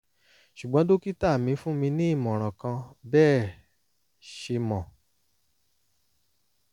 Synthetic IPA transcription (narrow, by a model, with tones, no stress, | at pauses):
ʃu˨ɡ͡bɔ̃˨˦do˦ki˦ta˦˨mĩ˧fũ˦mĩ˧nĩ˦i˦˨mɔ̃˨ɾ̃ã˨kã˧bɛː˦˨ | ʃe˧mɔ̃˨